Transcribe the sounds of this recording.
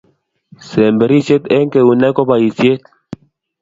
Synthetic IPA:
sɛ˨mbe˨ɾi˦se˦t̪ɛ˦ŋke˨u˨na˦kɔ˦ba˨i˨sje˦t̪̚

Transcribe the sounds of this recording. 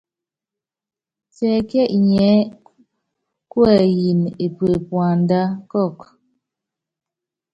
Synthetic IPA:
tɛ˨kɛ˦ʔɲɛ˨˦ | kwɛ˦˨ji˨ne˨pwe˨pwa˨n˦da˦kɔ˦˨k

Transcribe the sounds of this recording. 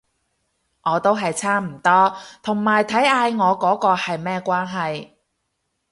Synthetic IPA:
ŋɔː˨˧t̪o˥wɦɐ˨jt͡sʰaː˥m̩˨˩t̪ɔː˥t̪ʰʊ˨˩ŋmaː˨˩jt̪ʰɐ˨˥jaː˧jŋɔː˨˧kɔː˨˥kɔː˧hɐ˨jmɛː˥kʷwaː˥nɦɐ˨j

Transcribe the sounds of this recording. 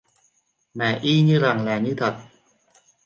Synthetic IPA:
mɛː˨˦ʔiː˥˩ɲiː˥˩˨ɾa˨˩ŋlɛː˨˦ni˥˩t̪ʰa˨˩t̪̚

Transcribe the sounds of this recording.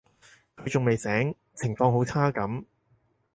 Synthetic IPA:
kʰɵ˨˧ɥt͡sʊ˨˩ŋme˨jsɛː˨˥ŋ | t͡sʰɪ˨˩ŋfɔː˧ŋho˨˥wt͡sʰaː˥kɐ˨˥m

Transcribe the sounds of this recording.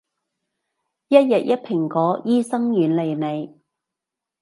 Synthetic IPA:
jɐ˥t̚jɐ˨t̚jɐ˥t̚pʰɪ˨˩ŋkɔː˨˥jiː˥sɐ˥ŋjyː˨˧nle˨˧jne˨˧j

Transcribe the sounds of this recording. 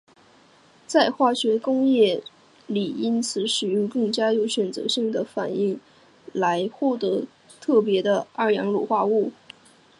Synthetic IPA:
t͡sa˥˧ɪxwa˥˩ɕɥɛ˧˥kʊ˥ŋjɛ˥˩ | li˨˩i˥nt͡sʰɹ̩˧˥ʂɻ̩˨˩y˧˥kɤ˥˩ŋt͡ɕja˥jo˧˥ʊɕɥɛ˨˩nt͡sɤ̰˧˥ɕi˥˩ŋd̪ə˩fa˨˩ni˥˩ŋ | la˧˥ɪxwɔ˥˩t̪ɤ˧˥ | t̪ʰɤ˥˩p̬jɛ˧˥d̪ə˧a˥˩jɑ˧˥ŋlṵ˨˩xwa˥˧u˥˩

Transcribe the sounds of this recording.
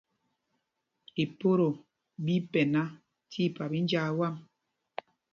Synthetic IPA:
i˨po˦ɾo˨ | bi˦pɛ˨na˦ | tʰi˦˨pa˨bi˦n˦d͡ʒa˦˨wa˦m

